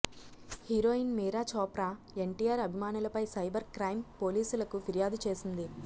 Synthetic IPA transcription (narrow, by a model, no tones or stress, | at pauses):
hiɾoːinmiːɾaːt͡ʃɔːpɾaː | e̞ɳʈiːaːɾɐbʱimaːnulɐpɐjsɐjbɐɾkɾɐjmpo̞ːliːsulɐkufiɾijaːd̪ut͡ʃe̞ːsind̪i